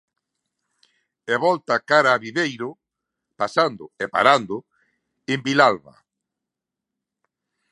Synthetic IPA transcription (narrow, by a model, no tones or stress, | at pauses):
eβɔlt̪akaɾaːβiðejɾʊ | pasand̪ʊepa̰ɾand̪ʊ | embilalβa̰